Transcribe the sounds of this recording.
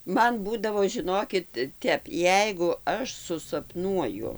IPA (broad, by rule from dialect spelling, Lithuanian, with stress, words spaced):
ˈmɐn ˈbuːdɐʋoː ʒʲɪˈnoːkʲɪt ˈtʲɛp ˈjɛɪɡʊ ˈɐʃ sʊsɐpˈnuɔjʊ